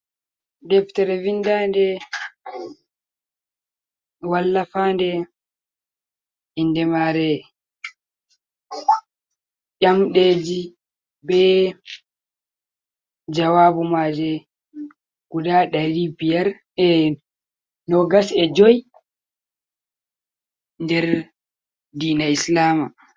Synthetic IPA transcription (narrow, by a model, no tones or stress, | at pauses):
dɛftɛɾɛvindaːndɛ | walːafandɛ | indɛmaɾɛ | ʔamɗeːd͡ʒi | bɛ | d͡ʒawabumad͡ʒɛ | ɡ̥udaɗaɾibijaɾ | ɛ | nɔɡasɛd͡ʒɔj | ndɛɾ | diːnaislaːma